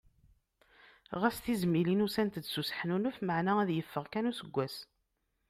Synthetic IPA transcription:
ʁæst̪izmilinusænt̪əd̪susə̥ħnunəfməʕnææðjəfːəʁkænusəɡʷːæs

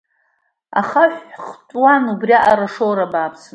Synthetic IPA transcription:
a̰χaħʷχt͡ʃʼwanubrʲiaʔaɾaʂowɾabaːpʰsɨn

